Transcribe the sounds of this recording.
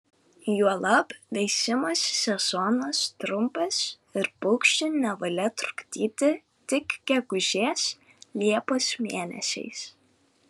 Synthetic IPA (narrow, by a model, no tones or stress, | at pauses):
juɔlˠɐpʋʲɛɪsʲɪmoːsːʲɛz̥ɔnost̪ɾʊmpɐs | ɪɾpʊkʃʲt͡ʃʲɪnʲɛʋɐlʲɛt̪ɾʊ̥kt̪ʲiːt̪ʲɪ | t̪ʲɪkɡʲɛɡʊʒʲeːs | lʲiɛpoːsmʲeːnʲɛ̰sʲɛ̰ɪs